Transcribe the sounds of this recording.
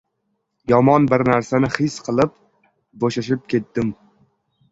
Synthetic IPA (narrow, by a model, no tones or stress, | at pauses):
jɒmɒnbɪɾnaɾsanɪχɪsqʰɨlˠɪp̚ | boʃaʃɪp̚kʲʰe̞t̪̚d̪ɪm